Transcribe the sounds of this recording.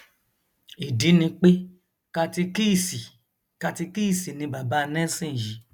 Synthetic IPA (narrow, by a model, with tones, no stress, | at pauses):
i˨di˨˦nĩ˧k͡pe˦ | ka˧ti˧ki˦˨si˨ | ka˧ti˧ki˦˨si˨nĩ˧ba˨ba˨˦˧nɛ̃˦sĩ˦˨ji˨˦